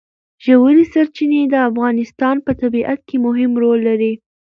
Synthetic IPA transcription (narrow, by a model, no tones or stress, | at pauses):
ʒəwəlisaɾt͡ʃined̪əafɣɑnɪst̪ɑnpət̪abiʔat̪̚kemʊɦɪmɾolːaɾi